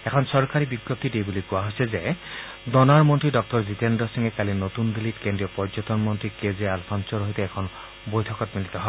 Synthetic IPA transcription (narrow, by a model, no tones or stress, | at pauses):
ɛkʰɔnsɔɹkaɹibiɡjɔp̚t̪idejbulikʊaɦojsɛzɛ | dɔnaɹmɔntɹidɔk̚tɔɹzitendɔsiŋɛkalinotund̪ilitkendɹiɔpɔɹzɔtɔnmɔntɹikezealpʰansɔɹoɦitɛɛkʰɔn | bojtʰɔkɔtmilit̪ɔɦɔ